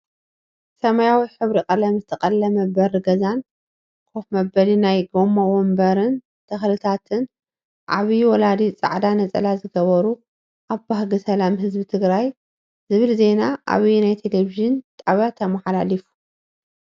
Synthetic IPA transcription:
sɐmajawiħɨβɾikʼɐlɐmzɨt̪ʰɐkʼɐlːɐmɐbɐɾɨɡɐzan | kʰofmɐbɐlinajɡomːawombɐɾɨn | t̪ʰɐxlɨt̪ʰat̪ʰɨn | ʔʕa̰βiwɔlad̪it͡sʼa̰ʕd̪anɐt͡sʼɐ̰lazɨɡɐβɐɾu | ʔaβbahɡɨsɐlamɦɨzbit̪ʰɨɡɾaj | zɨβɨlze̞naʔa̰βinajt̪ʰe̞leviʒɨnt̪ʼaβjat̪ʰɐmaħalalifu̥

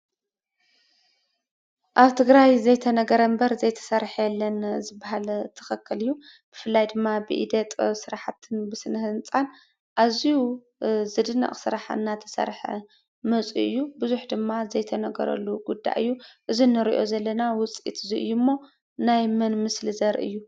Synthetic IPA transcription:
ʔaβt̪ʰɨɡɾajzɐjt̪ʰɐnɐɡɐɾɐmbɐɾzɐjt̪ʰɐ̥sɐɾħjɛlːɐnzɨbaɦalt̪ʰɐ̥xɐkʰːɐlɨjːub̥ɨfɨlːajd̪ɨmːabɨʔḭd̪ɐt̪ʼsɨɾaħat̪ʰːɨnbɨsɨnhɨnt͡sʼan | ʔaziju | zɨd̪ɨnːɐ̰χʼsɨɾaħaɨnːat̪ʰɐ̥sɐ̰ɾħɐ̰ | mɐt͡sʼṵɨjːubɨzuħd̪ɨmːazɐjt̪ʰɐnɐɡɐ̰ɾɐ̰lːuɡud̪ːa̰ʔɨjːuʔɨzinːɨɾiʔo̞̰zɐlːɐnawʊt͡sʼḭt̪ɨziʔɨ̰jːumːo̞ | najmɐnmɨslɨzɐɾʔɨ̰jːu

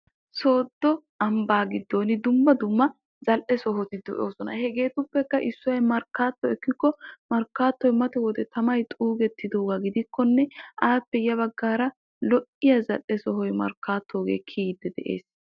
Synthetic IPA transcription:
so̞ːd̪ːɔ | ɐmbaːɡɪd̪ːoːnɪd̪ʊmːɐd̪ʊmːɐ | zɐlʔɛsɔɦɔt̪ɪd̪ɔ̰ʔoːsɔnɐ̰hɛɡe̞ːt̪ʊpːɛkːɐʔɪsːʊwɐjmɐɾkːaːt̪ːɔɛkːɪkːɔmɐɾkːaːt̪ːɔjmɐt̪ɛwɔd̪ɛt̪ɐmɐjt̪ʼuːɡɛt̪ːɪd̪o̞ːɡaɡɪd̪ɪkːɔnːɛʔaːpːɛjɐβɐɡːaːɾɐ | lɔʔɪjɐzɐlʔɛsɔɦɔjmɐ̰ɾkːaːt̪ʰːoːɡḛːkʰiːd̪ːɛd̪ɛ̰ʔḛːs

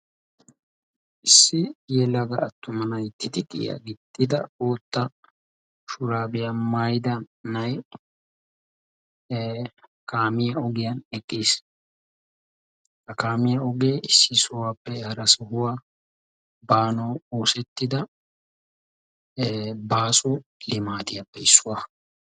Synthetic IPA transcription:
ʔɪsːɪjɛlɐɡɐːt̪ːʊmɐnɐjt̪ːɪd̪ɪkʼɪ̰ja̰ɡɪt̪ʼːɪd̪ɐoːt̪ːɐ | ʃʊɾaːbɪjamaːjd̪ɐnnɐj | kaːmɪjɐɔɡɪjɐnɛkʼːiːs | kɐkaːmɪjɐɔɡeːɪsːɪsʊwaːpːɛhɐɾɐsɔhʊwaː | baːnɔwoːsɛt̪ːɪd̪ɐ | baːsʊlɪmaːt̪ɪjɐpːɛɪsːʊwaː

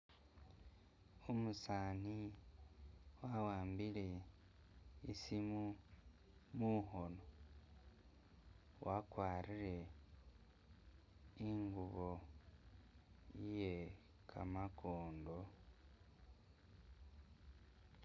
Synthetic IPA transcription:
omusaːni | wawaːmbile̞ | isimu | muɦo̞no̞ | wakwaːɾiɾe̞ | iŋɡuβo̞ | jije | kʰa̰makʰoːndo̞

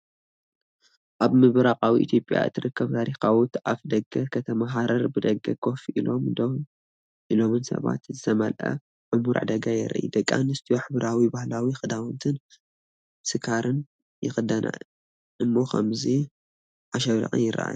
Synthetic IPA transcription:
ʔaβmɨβɾaqʼawiʔḭt̪ʰjo̞pʼja̰ɨ̰t̪ʰːɨɾɨkːɐβt̪ʰaɾixawut̪afd̪ɐɡɐkʰɐt̪ʰɐmaɦaɾɐɾbɨd̪ɐɡːɐkʰo̞fʔilomd̪ | ʔilo̞mɨnsɐ̰βa̰t̪zɨt̪ʰɐmɐlʔɐ̰ | ʕʊmuɾʕɨ̰d̪ɐɡajɛ̰ɾʔḭd̪ɐkʼːa̰nɨst̪ʰijoħɨβɾawibahlawixɨd̪awɔnt̪ʰɨn | sɨkʰaɾɨn | jɪxɨd̪ɐna̰ | ʔɨmːoxʰɐ̰mzi | ʔaʃɐβɾḭxʼɨ̰njɪɾa̰ʔa̰j

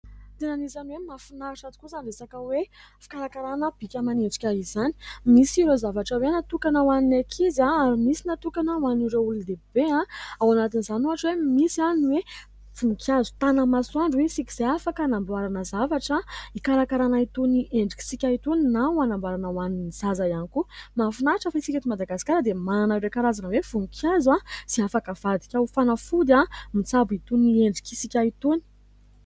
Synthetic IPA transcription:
t̪enanizaniwemafinaɾaʈ͡ʂat̪ukuzanresakəwefi̥kaɾakaɾanəb̥ikʲəmaneɳɖ͡ʐi̥kʲaɦizani̥misiɾozavaʈ͡ʂawenat̪ukanəwaninakʰizaaɾimisinat̪ukanəwaniɾeulud̪eb̥eãawanat̪inizanuɦaʈ͡ʂwemisianiwe | fuŋkʰʲjazu̥t̪anəmaswaɳɖ͡ʐwesikiz̥eafakənambwaɾanəzavaʈ͡ʂaikaɾakaɾanait̪uniʔeɳɖ͡ʐi̥kʲi̥sikʲait̪oninawanambaɾanawaniniz̥azajanikumafunaʈ͡ʂafait͡sikat̪imad̪aɡasi̥kaɾəd̪emananaɾekaɾazanəwefuŋkʰjazwasiafakəv̥ad̪i̥kʲawfanəfud̪amit͡sabit̪unieɳɖ͡ʐi̥kʲisikʲait̪oni̥

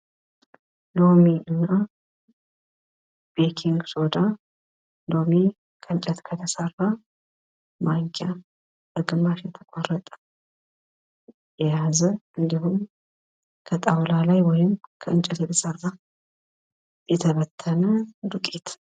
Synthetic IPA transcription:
lo̞miʔɨnːa | b̥ekʰiŋɡsod̪a | lo̞mi | kʰəɨnt͡ʃʼɛt̪kʰət̪ʰəsərːa | maŋkʼja | bəɡɨmbaʃjɛt̪ʰəkʷʼorːət̪ʼə̥ | jɛjazəʔɨnd̪ihum | kʰət̪ʼawlalajwɔjɪmkʰəɨnt͡ʃʼɛt̪jɛt̪ʰəsərːa | jɛt̪ʰəβət̪ʰːənəd̪ukʼet̪

